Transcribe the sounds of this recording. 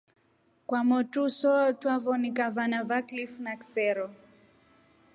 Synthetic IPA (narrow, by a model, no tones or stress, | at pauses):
kwamɔtusɔtwavɔnikavanavaklifnaksɛɾɔ